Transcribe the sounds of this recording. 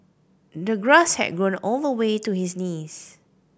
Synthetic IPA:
dəɡɹashɛ̰d̚ɡɹõnolvəwetuhisnis

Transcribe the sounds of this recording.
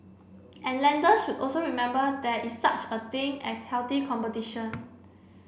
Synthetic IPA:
ʔɛ̃nlɛ̃ndəsʃudʔɔlsoɹimɛ̃mbədɛʔisːat͡ʃət̪ĩŋɛshɛlt̪ikʰɔ̃mpətiʃə̃n

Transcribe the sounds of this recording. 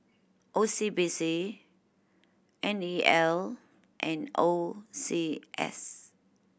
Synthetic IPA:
ʔosibisi | ʔɛ̃niɛl | ʔɛ̃nosiʔɛ̰s

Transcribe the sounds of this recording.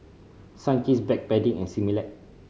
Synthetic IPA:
sãnkisbɛk̚bɛdĩŋɛ̃nsimilɛt̚

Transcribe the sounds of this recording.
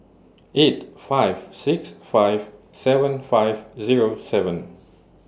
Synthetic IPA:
etfajv̥siksfajv̥ | sɛvə̃nfajvziɹosɛvə̃n

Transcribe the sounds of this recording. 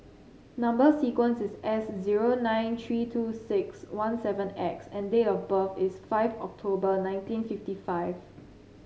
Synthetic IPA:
nãmbəsikwə̃nsɪsɛsziɹonãɪ̃nt̪ʰɹiːtʰuːsɪkswãnsɛvə̃nɛksɛ̃ndeɔfbəfɪsfaɪvɔ̰k̚tʰobənãɪ̃ntĩnfiftifaɪv

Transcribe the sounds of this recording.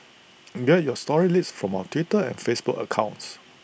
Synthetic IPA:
ɡɛt̚jɔstɔɹilitsfɹɔ̃maʊətʰwitəɛ̰̃nfesbukə̰kʰãʊ̃nts

